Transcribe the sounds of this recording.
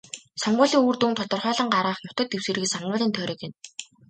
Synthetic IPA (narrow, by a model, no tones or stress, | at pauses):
sɔɴɢʊːɮiːŋuːrt̪unt̪ʰɔt̪ɞ̆rχœːɮə̆ŋɢaɾaːχnʊt̪ə̆t̪ew̥sĕrɣɘ̆sɔɴɢʊːɮiːnt̪ʰœːɾɞ̆kɪ̆n